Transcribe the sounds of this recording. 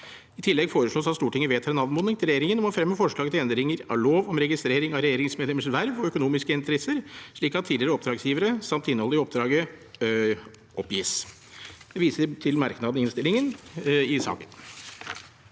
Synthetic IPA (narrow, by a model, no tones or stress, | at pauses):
ɪt̪ʰɪlːɛɡfoːɾəʂɭoːsɑt̪st̪uːʈʰɪŋːəʋeːt̪hɑɾɛnɑʋd̪moːnɪŋt̪ʰɪlɾɛjeːɾɪŋənɔmɔfɾɛmːəfɔʂɭɑːɡət̪ʰɪɛnd̪ɾɪŋəɾɑɭoːʋɔmɾɛɡɪst̪ɾeːɾɪŋɑʋɾɛjeːɾɪŋsmed̪lɛməʂʋæɾʋɔœkʊnuːmɪskəɪnt̪əɾɛsːəɾʂɭiːkɑt̪ʰːiːd̪ɪɾəɔp̚d̪ɾɑːɡsjiːʋəɾəsɑmt̪ɪnəhɔlːəɾɪɔp̚d̪ɾɑːɡə | ʔɔpːjɪːs | d̪̥ɛʋiːsəɾʈʰɪlmɑɾknɑd̪əɪnst̪ɪlɪŋənɪsɑ̰ːkən